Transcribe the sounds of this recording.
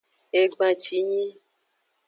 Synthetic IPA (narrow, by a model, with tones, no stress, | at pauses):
e˨ɡ͡bã˨t͡ʃi˨ɲĩ˦